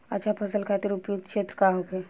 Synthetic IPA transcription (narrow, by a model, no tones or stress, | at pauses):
ət͡ʃʰapʰəsəlkʰat̪iɾupjuɡ̚d̪̚kʰʃet̪ɾəkaɦoke